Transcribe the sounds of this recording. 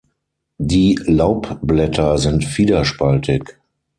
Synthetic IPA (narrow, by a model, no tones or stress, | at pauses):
diːlaʊpblɛtʰɐzɪntfiːdɐʃpaltʰɪk